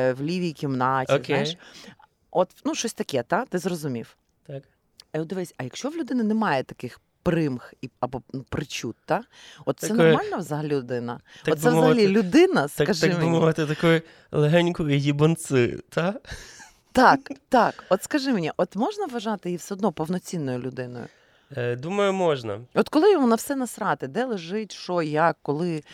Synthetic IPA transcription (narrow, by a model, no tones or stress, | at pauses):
wlʲiʋʲikʲimnɑt͡ʃːzk̪ʲeajʃ | ot̪nuʃt͡ʃɔsʲt̪ɐkʲɛt̪at̪ɪzrɔzʊmʲiw | t̪ak | iʊd̪ɪʋɪsʲɐjɐkʃt͡ʃɔʋlʲʊd̪ɪnɪnɛmɑjɛt̪ɐkɪx | pɾɪmxiɐbɔnupɾɪt͡ʃʲut̪ːa | ɔt̪sɛɔmɑlʲnɐʋzɐɦɐlʲilʲʊd̪ɪnɐ̰ɔt̪sɛzzɐɐlʲilʲʊd̪ɪnɐskɐʒɪmbʊmɔʋɪt̪ɪt̪ɐkɔjʊ | lˠeɦɛnʲkɔjʊjʲibɔnt͡s̪ɪjʊ̰t̪ɑ | t̪ɑkt̪ɑkɔt̪skɐʒɪmenʲiʔɔt̪mɔʒnɐʋɐʒɑt̪ɪjiwsɛɔd̪nɔpɔwnɔt͡sʲinːɔjʊlʲʊd̪ɪnɔ̰jʊ̰ | d̪umɐjʊmɔʒnɐ̰ɔt̪kɔlˠɪjʋɔnɑwsɛnɐsɾɑt̪ɪd̪ɛlˠeʒɪtʲʃɔjakːɔlˠɪ